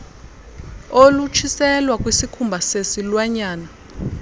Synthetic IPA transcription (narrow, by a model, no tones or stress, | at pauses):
olut͡ʃʰisɛlwak̬ʼwisikʰumbʱasesilwaɲaːna